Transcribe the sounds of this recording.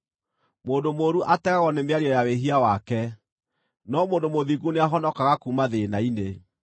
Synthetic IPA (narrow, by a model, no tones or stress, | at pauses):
moːndomoɾuʔatɛɣaɣɔnemeaɾiɔjaweɦiawakɛ | nɔmoːndomoðiɣuneaɦɔnɔkaɣakumaðenaine